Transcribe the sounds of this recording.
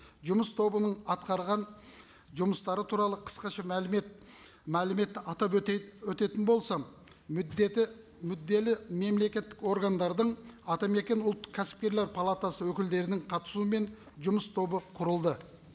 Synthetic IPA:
ʒʊməst̪ʰo̞bənəɴɑt̪̚qɑɾʁɑn | ʒʊməst̪ɑɾət̪ʰuɾɑlˠəqʰə̥sqɑʃɑm | mælɪme̞t̪ːɪɑt̪ɑpwɵt̪e̞t̪ɪnbo̞lˠsɑ | mʏd̪ːe̞lɪme̞mle̞kʲe̞t̪ːɪko̞ɾɡand̪ɑɾd̪əɴɑt̪ɑme̞kʲe̞nʊlˠt̪ːə̥q̚kʲʰæsɪ̥p̚kʲe̞ɾle̞ɾpʰalˠat̪asəwɵkʲɪld̪e̞ɾɪnɪŋqʰɑt̪ə̥suəme̞n | ʒʊməst̪ʰo̞bəqʰʊɾəlˠd̪ə

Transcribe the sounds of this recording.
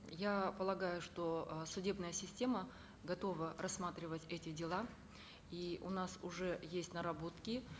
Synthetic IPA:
japəlˠɐɡajʊʂt̪o̞sʊdʲe̞bnəjəsʲɪsʲtʲe̞mə | ɡɐt̪o̞vərɐsːmat̪ɾʲɪvətʲɛtʲɪdʲɪlˠa | iʊ̰nasʊʐɛjesʲtʲnəɾɐbo̞t̪kʲɪ

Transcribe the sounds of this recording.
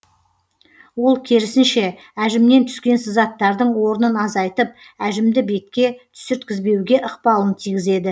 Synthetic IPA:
wo̞lˠkʲʰeɾɪsɪnʃe̞ | æʒɪmne̞nt̪ʰʏ̥skʲe̞nsɪzɑt̪ːɑɾd̪əɴwo̞ɾənənɑzɑjt̪əp̚ | æʒɪmd̪ɪbe̞t̪̚kʲe̞t̪ʰʏ̥sʏɾt̪kʲɪzbe̞wɡʲe̞ʔəqpɑlˠənt̪ʰijɡʲɪze̞d̪ɪ

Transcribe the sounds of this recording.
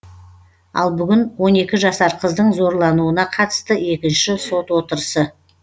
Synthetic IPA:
ɑ̰lˠbʏɡʲɪnwo̞ne̞kʲɪʒɑsɑɾqʰəzd̪əɴzo̞ɾlˠɑnuənɑqʰɑt̪ə̥st̪əe̞kʲɪnʃɪso̞t̪wo̞t̪əɾəsə

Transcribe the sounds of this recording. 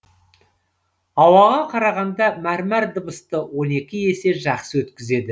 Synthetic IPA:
ɑwɑʁɑqʰɑɾɑʁɑnd̪ɑmæɾmæɾd̪əbəst̪əwo̞ne̞kʲɪe̞se̞ʒɑqsəwɵt̪kʲɪze̞d̪ɪ

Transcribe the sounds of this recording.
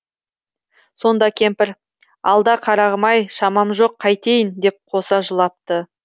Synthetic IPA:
so̞nd̪ɑkʲʰe̞mpɪɾ | ɑ̰lˠd̪ɑqʰɑɾɑʁəmɑjʃɑmɑmʒo̞qʰːɑjt̪e̞jɪnd̪e̞p̚qʰo̞sɑʒəlˠɑp̚t̪ə

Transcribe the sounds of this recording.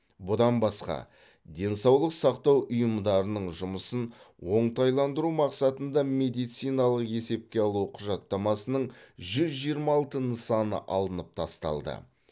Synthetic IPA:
bʊd̪ɑnbɑsqɑ̰ | d̪e̞nsɑwlˠəqsɑqt̪ɑwʔʊjəmd̪ɑɾənəɴʒʊməsən | wo̞ɴt̪ɑjlˠɑnd̪əɾumɑqsɑt̪ənd̪ɑme̞d̪ijt̪sijnɑlˠəqe̞se̞p̚kʲe̞ɑlˠuqʰʊʒɑt̪ːɑmɑsənəɴʒʏzʒijəɾmɑlˠt̪ənəsɑnə̰ʔɑ̰lˠənəp̚t̪ʰɑst̪ɑ̰lˠd̪ə̰

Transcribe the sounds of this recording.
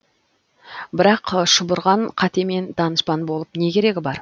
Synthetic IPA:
bɪɾɑqʃʊbʊɾʁɑɴqʰɑt̪e̞me̞nd̪ɑnəspɑnbo̞lˠəpne̞kʲʰe̞ɾe̞ɡʲɪbɑɾ

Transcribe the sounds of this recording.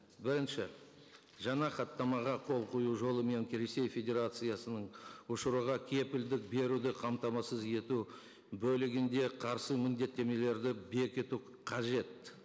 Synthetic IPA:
bɪɾɪnʃɪ | ʒɑɴɑqɑt̪ːɑmɑʁɑqʰo̞lˠqʰojuʒo̞lˠəme̞ŋkʲɾese̞jfʲe̞d̪ʲe̞ɾat̪sɨjasənəɴʊʃəɾuʁɑkʲʰe̞pɪld̪ɪk̚be̞ɾud̪ɪqʰɑmt̪ɑmɑsəze̞t̪u | bɵlɪɡʲɪnd̪e̞qʰɑɾsəmɪnd̪e̞t̪ːe̞me̞le̞ɾd̪ɪbe̞kʲɪt̪u | qʰɑʒe̞t̪

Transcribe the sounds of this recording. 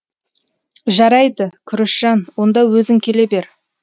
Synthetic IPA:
ʒɑɾɑjd̪əkʲʰʏɾɪʃʒ̥ɑnwo̞nd̪ɑwɵzɪŋkʲʰe̞le̞be̞ɾ

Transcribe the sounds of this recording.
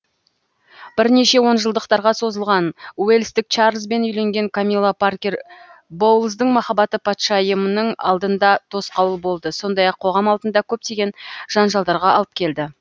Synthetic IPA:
b̥ɪɾne̞ʃe̞wo̞nʒəlˠd̪əqt̪ɑɾʁɑso̞zəlˠʁɑnwe̞lʲst̪ɪk̚t͡ʃɑɾzbe̞nʏjle̞ŋɡʲe̞ŋkʰomʲilˠaparkʲerbo̞wlˠzd̪əɴmɑχɑbɑt̪əpʰɑt̪ʃɑjəmənəɴɑ̰lˠd̪ənd̪ɑt̪ʰo̞sqɑwəlˠbo̞lˠd̪əso̞nd̪ɑjɑqʰːo̞ʁɑmɑlˠd̪ənd̪ɑkʲʰɵp̚t̪e̞ɡʲe̞nʒ̥ɑnʒɑlˠd̪ɑɾʁɑɑlˠəp̚kʲʰe̞ld̪ɪ

